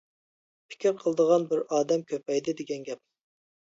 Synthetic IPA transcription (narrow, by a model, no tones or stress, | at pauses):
pʰɪ̥kʲiɾqʰəlˠəd̪əʁɑnbɪɾɑːd̪ɛmkʲʰøpɛjd̪ɪd̪ɪɡʲɛnɡʲɛp̚